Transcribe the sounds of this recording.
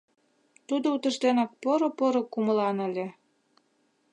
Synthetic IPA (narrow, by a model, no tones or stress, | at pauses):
t̪ud̪out̪ə̆ʃt̪enɑk̚poɾopoɾokuməlɑnə̆lʲĕ